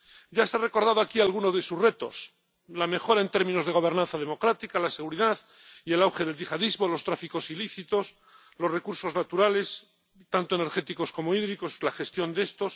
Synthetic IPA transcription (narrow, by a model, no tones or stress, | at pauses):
ɟ͡ʝaseare̞ko̞ɾðaðoakialɣ̞unozðe̞suzre̞t̪o̞̰s | lame̞xo̞ɾae̞nt̪e̞ɾmĩno̞zðe̞oβ̞e̞ɾnãn̟θað̞e̞mo̞kɾat̪ikalase̞ɣuɾiðað | ie̞lawxe̞ðe̞lʝixaðizmo̞lo̞st̪ɾafiko̞siliθit̪o̞s | lo̞sre̞kuɾso̞znat̪uɾale̞s | t̪ant̪oene̞ɾxe̞t̪iko̞sko̞moiðɾiko̞slaxe̞st̪jo̞nd̪e̞st̪o̞s